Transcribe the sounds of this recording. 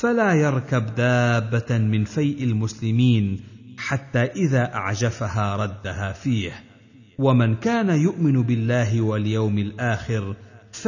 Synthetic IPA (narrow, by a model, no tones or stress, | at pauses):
falaːjɑɾˤkabd̪aːbːamɪnfajʔalmʊslɪmiːnħat̪ːaːʔɪðaːʔa̰ʕd͡ʒafahaːɾˤɑd̪ːahaːfiːh | wamankaːnajʊʔmɪnbɪlːaːɦɪwaljawmɪlʔaːxɪɾf